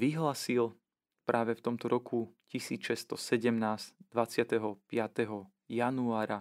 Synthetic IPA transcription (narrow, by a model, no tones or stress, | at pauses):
ʋiɦlaːsil | pɾʔaːʋɛft̪ɔmt̪ɔɾɔkʰucisiːt͡sʃɛst̪ɔsɛɟɛmnaːz̥d̪̥ʋat͡sɪat̪ɛɦɔpɪat̪ɛɦɔ | januaːɾa